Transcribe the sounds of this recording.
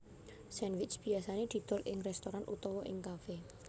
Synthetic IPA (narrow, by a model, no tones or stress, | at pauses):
sɛnwɪt͡ʃb̥i̤asaned̪̥i̤d̪̥ʊ̤lʔɪŋrɛst̪oɾanʔut̪ɔwɔʔɪŋkafe